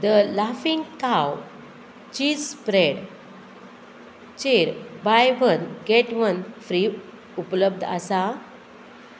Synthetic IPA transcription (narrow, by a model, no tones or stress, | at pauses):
d̪əlafĩŋɡkaw | t͡ɕiːd͡zspɾeɽ | t͡ɕeɾbajʋənɡɛʈʋənfɾi | upləb̚d̪ʱa̰sa